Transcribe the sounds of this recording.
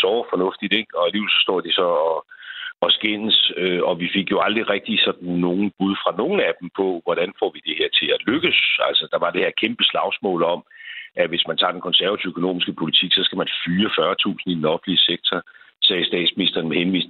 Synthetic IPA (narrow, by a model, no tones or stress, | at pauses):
sɒʊfɒ̽nɔ̽fd̥id̥eɡ̥ɒ̽æliːʋelsɒ̽sd̥ɒ̰ːd̥isɒ̽ɒɒ̽sɡ̥en̰søɒ̽ʋife̝ɡ̥jo̝ɑ̈ld̥ʁiʁɛɡ̥̚d̥isɒ̽d̥n̩ːo̝ːn̩b̥uðˠfʁɑ̈no̝ːn̩æd̥m̩pʰɒ̽ʋɒd̥ænfɒ̰ʋid̥e̝heɐt͡sʰe̝læløɡ̥əsælsɒd̥ɑ̈ʋɑ̈d̥e̝he̝ɐkʰemb̥əslɑ̈ʊsmɔ̰̽ːlɒ̽mʔæʋe̝smænt͡sʰɑ̈ːd̥enkʰɒ̽nsæɐæt͡sʰiʊøəkʰono̝̰ːmisɡ̥əəpʰo̝lit͡sʰiɡ̥sɒ̽sɡ̥æmænfyːɐfɶɐt͡sʰṵːsn̩id̥enɒ̽fn̩liəseɡ̥̚t͡sʰɐ | sɛːsd̥ɛ̰ːd̥sminisd̥ɐːnmehenʋḭːsn